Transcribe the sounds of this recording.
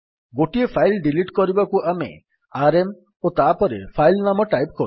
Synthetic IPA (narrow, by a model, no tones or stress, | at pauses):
ɡoʈiepʰajlɖiliʈkɔɾibakuʔamḛ | aɾem | ot̪apɔɾḛpʰajlnamɔʈajpkɔɾ